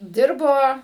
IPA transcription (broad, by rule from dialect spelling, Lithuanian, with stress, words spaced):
ˈdʲɪrboː